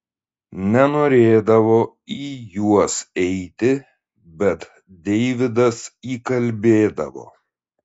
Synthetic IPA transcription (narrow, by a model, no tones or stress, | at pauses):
nʲɛnoːɾʲeːd̪ɐʋoː | iːjuɔsɛɪt̪ʲɪ | bʲɛt̪ | d̪ʲɛɪʋʲɪd̪ɐsiːkɐlʲbʲeːd̪ɐ̰ʋo̰ː